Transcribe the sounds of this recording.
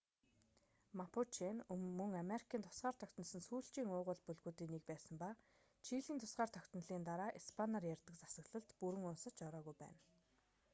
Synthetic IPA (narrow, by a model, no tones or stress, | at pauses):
mapʰut͡ɕʰenɵmːɵ̆ŋameɾikʰiːnt̪ʰʊ̥sɢaːr̥t̪ʰœkʲt̪n̆sə̆nsuːɬt͡ɕiːŋʊːʁʊ̆ːɮpɵɮɣuːt̪iːnːik̚pæːsə̆mpa | t͡ɕʰiːɮiːnt̪ʰʊ̥sɢaːrt̪ʰœkʲt̪̆n̆ɮiːnt̪aɾaːʔispʰanarjærʲt̪ə̆kt͡sḁsə̆ɣɮə̆ɮt̪puɾɘ̆ŋʊnsə̆t͡ɕɔɾɔːɣujpæ̰ːn